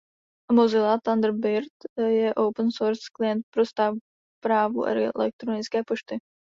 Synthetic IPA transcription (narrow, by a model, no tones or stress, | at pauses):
mɔzilˠat̪and̪ɾbɪɾt̪jɛʔowpənsɔɾskliɛnt̪̚pɾɔst̪a | pɾaːvṵʔɛ̰ɾiɛ̰lɛ̰k̚t̪ɾɔniskʲɛpuʃt̪i